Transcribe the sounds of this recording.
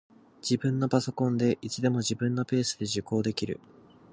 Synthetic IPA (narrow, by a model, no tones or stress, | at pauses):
d͡ʑ̥ibɯ̟̃nːo̞paso̞kõ̞nd̪e̞ʔit͡ɕid̪e̞mo̞ʑibɯ̟̃nːo̞pe̞ːsɨd̪e̞ʑiko̞ːd̪e̞kʲiɾɯ̰